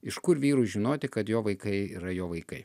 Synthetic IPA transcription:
ɪʃkʊɾʋʲiːɾʊʒʲɪnoːt̪ʲɪkɐt̪joːʋɐɪkɐɪiːɾɐjoːʋɐɪkɐɪ

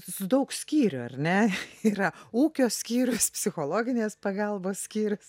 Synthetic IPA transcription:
sʊd̪ɐʊksʲkʲiːɾʲʊɐ̰rʲnʲɛiːɾɐuːkʲoːsʲkʲiːɾʲʊspʲsʲɪxoːlˠoːɡʲɪnʲeːspɐɡɑlˠboːssʲkʲiːɾʲʊs

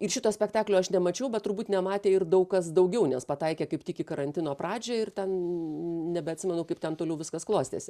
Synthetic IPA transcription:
ɪrʃʲɪt̪oːsʲpʲɛkt̪ɑːklʲoːɐʃnʲɛmɐt͡ʃʲɛʊbʲɛt̪̚ʊɾbuːt̪ʲnʲɛmɑːt̪ʲeːɪrd̪ɐʊkkɐsd̪ɐʊɡʲɛʊnʲɛspɐt̪ɐɪkʲeːkɐɪpt̪ʲikʲɪkɐɾɐnʲt̪ʲɪnoːpɾɑːd͡ʒʲoːɪrt̪ʲɛn | nʲɛbʲɛɐtʲsʲɪmʲɛnʊkɐɪpt̪ʲɛnt̪oːlʲɛʊʋʲɪskɐsklˠoːsʲt̪ʲḛːsʲɪ

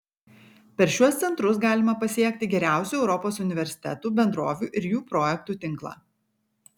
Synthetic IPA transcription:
pʲɛɾʃʲuɔst̪sʲɛnt̪ɾʊs̬ɡɑːlʲɪmɐpɐsʲiɛk̚ʲt̪ʲɪɡʲɛɾʲæˑʊsʲuːɛʊɾɔpoːsʊnʲɪʋʲɛɾʲsʲɪ̥t̪ʲɛt̪uːbʲɛnd̪ɾoːʋʲuːʔɪɾjuːpɾoːjɛk̚t̪uːt̪ʲɪŋˑklˠɑ̰ː

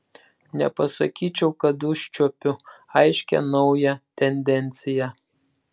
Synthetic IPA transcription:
nʲɛ̰pɐsɐkʲiːt͡ʃʲɛʊkɐd̪ʊʃʲt͡ʃʲuɔpʲʊɐɪʃʲkʲɛ̰nɒʊjɛt̪ʲɛnʲd̪ʲɛnʲt̪sʲɪjɛ

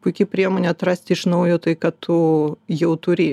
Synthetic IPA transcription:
pʊɪkʲɪpʲɾʲiɛmoːnʲɛɐt̪ɾɑsʲt̪ʲɪɪʃnɐʊjoːt̪ɐɪkɐt̪ʰʊjɛʊt̪ʊɾʲɪ

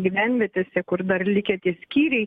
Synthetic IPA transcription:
ɡʲiːʋʲænʲʋʲɛt̪ʲesʲɛkʊrd̪ɐrlʲɪkʲɛt̪ʲiɛsʲkʲiːɾʲɛɪ

